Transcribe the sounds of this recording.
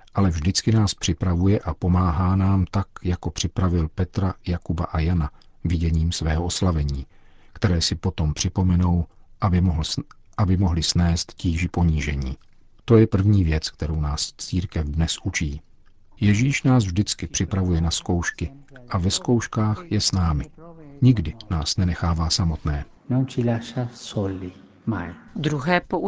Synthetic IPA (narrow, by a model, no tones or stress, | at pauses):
ʔalɛvʒdɪt͡skɪnaːspr̝̥ɪpɾavujɛʔapo̞maːɦaːnaːmt̪akjako̞pr̥ɪpɾavɪlpɛt̪ɾajakubaʔajana | vɪɟɛɲiːmsvɛːɦoʔoslavɛɲiː | kt̪ɛɾɛːsɪpo̞t̪o̞mpr̝̥ɪpo̞mɛnow | ɦʔabɪmo̞ɦlɪsnɛːst̪ciːʒɪpo̞ɲiːʒɛɲiː | t̪o̞jɛpr̩vɲiːvjɛt͡skt̪ɛɾo̞wnaːst͡siːɾkɛfdnɛsʔut͡ʃiː | jɛʒiːʃnaːsvʒdɪt͡skɪpr̝̥ɪpɾavujɛnasko̞wʃkɪʔavɛsko̞wʃkaːxjɛsnaːmɪɲɪɡdɪnaːsnɛnɛxaːvaːsamo̞t̪nɛː | nowt͡ʃilaʃasolːi | ma̰jd̪ɾuɦɛːpoʔ